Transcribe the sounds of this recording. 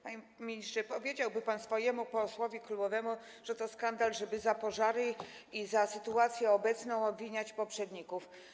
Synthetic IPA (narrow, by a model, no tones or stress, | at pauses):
paɲ | mʲːiɲist͡ʂɛpɔvʲjed͡ʑawbɘpansfɔjɛmupɔswɔvʲjiklubɔvɛmu | ʐ̥ɛt̪ɔskand̪alʐɛbɘzapɔʐaɾɘizasɘt̪uat̪sʲjɛɔbɛt̪snɔ̃w̃ɔbvʲiɲat͡ɕpɔpʂɛd̪ɲikuf